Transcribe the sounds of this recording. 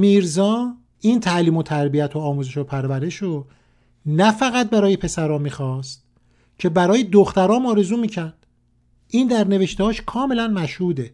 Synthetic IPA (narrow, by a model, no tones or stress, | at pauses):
miːɾzɒː | iːnt̪ʰæʔliːmo̞t̪ʰæɾbijæt̪ʰoːmuːzeʃopʰæɾvæɾe̞ʃɾo | næfæɣæt̪̚bæɾɒːjepʰe̞sæɾɒːmiːxɒːst̪̚ | cʰe̞bæɾɒːjed̪oxt̪æɾɒːmɒːɾe̞zuːmiːcʰæɾd̪̥ | ʔiːnd̪æɾne̞ve̞ʃt̪ehɒːʃkʰɒːme̞lænmæʃhuːd̪e̞